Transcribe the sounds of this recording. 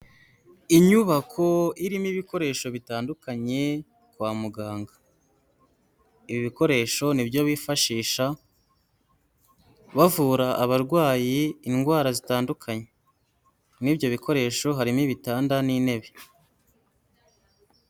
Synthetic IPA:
iɲuβakʰo̞iɾimiβiko̞ɾe̞ʃo̞βitaːndukaɲe̞ | kwaːmuɡaːŋɡḁ | iβiβiko̞ɾe̞ːʃo̞nibjo̞βiːfaʃiːʃa | βavuːɾaʔːβaɾɡwaːjiːnɡwaːɾazitaːndukʰaɲe̞ | nibɟo̞βikʰo̞ɾe̞ːʃo̞ɦaɾimiβitaːndaniːne̞βe

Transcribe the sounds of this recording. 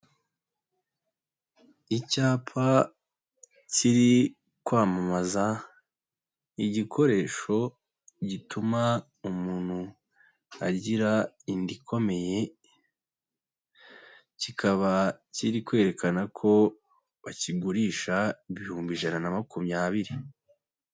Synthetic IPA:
icaːpʰa | ciɾi | kwaːmamaza | iɟikʰo̞ɾe̞ːʃo̞ | ɟituma | umuːn̥hu | a̰ɟiɾa | indikʰo̞me̞je̞ | cikʰaβaciɾikwe̞ːɾe̞kanakʰo̞ | βaciɡuɾiːʃaiβihuːmbiʒananamakumɲaβiɾi

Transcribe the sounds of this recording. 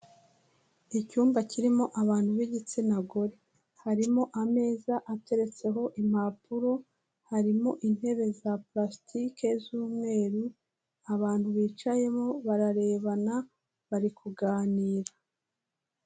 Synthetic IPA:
icuːmbaciɾimo̞ʔaβaːn̥huβiɟit͡senaɡo̞ɾe | haɾimo̞ʔame̞ːzaʔate̞ɾe̞t͡se̞ɦo̞ʔim̥apuɾo̞ | haɾimo̞ʔin̥he̞βe̞zaplastʰike̞zuːmŋe̞ːɾu | aβaːn̥huβiːt͡ʃaje̞moβaɾaɾe̞ːβana | βaɾikuɡaːniːɾa

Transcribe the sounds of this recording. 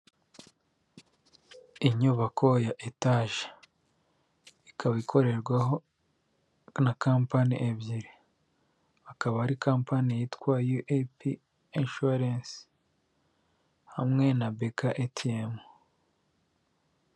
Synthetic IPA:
iɲuβakʰo̞jaʔetaʒḁ | ikʰaβikʰo̞ɾe̞ɾɡwaɦo̞ | nakaːmpanḭʔebjiɾi | akaβahaɾikaːmpanijitkwajuʔepi | enʃuɾens | hamŋe̞nabekaʔetʰiemu

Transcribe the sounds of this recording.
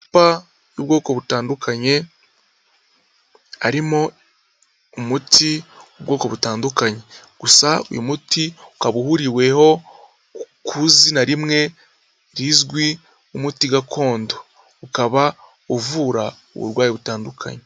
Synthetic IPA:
pa | jobɡo̞ːkoβutaːndukʰaɲe̞ | aɾimo̞ | umutʰiobɡo̞ːko̞βutaːndukaɲe̞ | ɡ̥usao̰jomutiukaβuhuɾiwe̞ho̞ | kʰuzinaɾimŋe̞ | ɾizɡwi | umutiɡakʰo̞ːndo | ukaβa | ovuːɾa | o̰βṵɾɡwaːjiβutaːndukʰa̰ɲe

